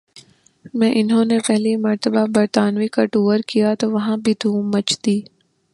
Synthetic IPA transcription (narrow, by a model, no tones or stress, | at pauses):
mɛ̃ːʔɪnɦõːnepɛɦlimɐɾt̪əbabɐɾt̪aːnʋikaʈuːʋəɾkijat̪oʋɐɦãbʱid̪ʱũːmːɐt͡ʃd̪iː